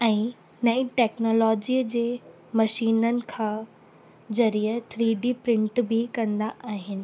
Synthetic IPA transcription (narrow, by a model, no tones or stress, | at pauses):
ɛ̃ː | nɐĩʈɛːknoːlɔːd͡ʑiːəd͡ʑeː | mɐʃiːnənɪ̆kʰãː | zɐɾiːət̪ʰɾiːɖipɾɪ̃ɳʈbʱɪkɐ̃nd̪aʔaːɦɪnɪ̆